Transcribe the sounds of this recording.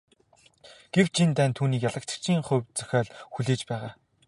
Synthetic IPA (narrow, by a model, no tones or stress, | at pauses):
ɡ̥ew̥t͡ɕʰint̪æːnt̪ʰuːniːkjaɮə̆k̚t͡ɕə̥̆k̚t͡ɕʰiːŋχɵwt͡sœ̥xʲaːɮxuɮeːt͡ɕpæːʁaː